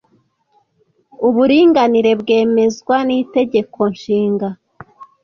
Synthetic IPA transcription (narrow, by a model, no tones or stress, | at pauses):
uβuɾiːŋɡaniɾe̞bɡe̞ːme̞zɡwanite̞ɟe̞kʰo̞nʃiːŋɡa